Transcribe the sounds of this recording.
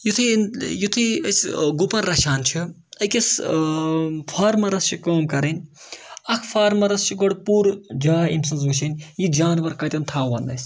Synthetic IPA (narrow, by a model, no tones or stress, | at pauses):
jut̪ʰinjut̪ʰiɐsɡupɐnɾɐʃaːnt͡ʃʰi | ɐkʲɐs | pʰaːɾmɐɾɐst͡ʃʰikoːmkɐɾɐnʲɐkʰpʰaːɾmɐɾɐst͡ʃʰiɡɐɽpuːɾd͡ʒaːimsɐnz̬uʃɐnʲjid͡ʒaːnʋɐɾkɐt̪ʲɐmt̪ʰaːʋɐnd̪ɐs